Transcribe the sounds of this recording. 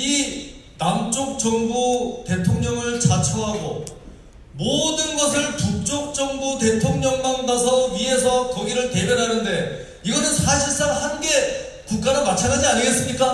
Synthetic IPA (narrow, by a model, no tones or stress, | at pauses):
inamt͡ɕ͈ok̚t͡ɕʌŋbute̞tʰoŋɲʌŋɯɭt͡ɕat͡ɕʰoɦaɡo | modɯnɡʌs̬ʰɯɭpuk̚t͡ɕ͈ok̚t͡ɕ͈ʌŋbute̞tʰoŋɲʌŋmandasʰʌɥiɦe̞sʰʌkʌɡiɾɯɭte̞bjʌɾɦanɯnde̞ | iɡʌnɯnsʰaɕʰiɭs͈aŋhanɡe̞ | kuk̚k͈aɾɯnmat͡ɕʰanɡad͡ʑiaɲiɡe̞s͈ɯmɲik͈a